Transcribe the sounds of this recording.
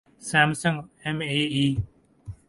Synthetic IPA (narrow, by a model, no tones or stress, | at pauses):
saːmsəŋɛmeːiː